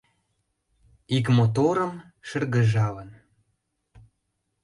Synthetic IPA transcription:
ikmot̪̬oɾə̆m | ʃə̆rɣə̆ʒɑlə̆n

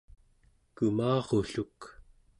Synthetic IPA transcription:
kumɑːʁoɬuk

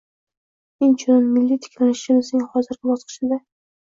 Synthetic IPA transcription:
ent͡ʃʰʊnɪnmɪlːit̪ʰɪ̥kʲlanɪʃɪmɪznɪŋhɒzɪɾɡʲɪbɒsqʰɨ̥ʃɪd̪a

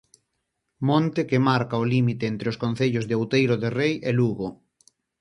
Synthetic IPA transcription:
mõnt̪ekemaɾkaolimit̪eent̪ɾeoskon̟θeʎʊzðeowt̪ejɾʊðerejʔeluɣo

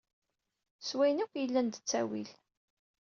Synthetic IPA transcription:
swæjnukʷjəlːænd̪ət͡sːæ̰wḭl

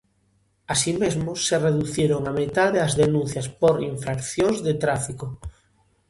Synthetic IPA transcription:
asimezmosːereðuθjeɾoŋamet̪aðeazðenũnθjaspoɾiɱfɾakθjoŋzðet̪ɾafiko

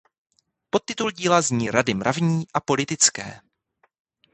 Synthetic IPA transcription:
po̞t̪ːɪt̪ulɟiːlazɲiːɾadɪmɾʔavɲiːʔapo̞lɪt̪ɪt͡skɛ̰ː

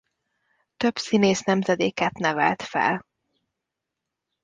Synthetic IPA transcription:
t̪ø̞bsineːsnɛmzɛd̪eːkɛt̪nɛvɛ̰lt̪fɛ̰l

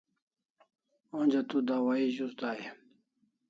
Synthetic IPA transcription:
onʲd͡ʑat̪ud̪awaiʑusd̪aːje

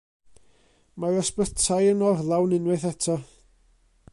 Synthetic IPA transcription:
maɾəspətʰajənɔrlˠawnɪnwɨθɛtʰɔ

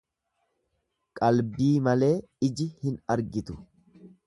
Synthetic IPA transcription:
kʼɐlbiːmɐle̞ː | ɪd͡ʒɪhɪnɐɾɡɪt̪ʊ̥

